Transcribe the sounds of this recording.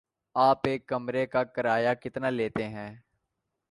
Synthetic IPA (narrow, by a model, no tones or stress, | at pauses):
aːpeːkːɐmɾekakɐɾaːjakɪt̪naleːt̪eɦɛ̃ː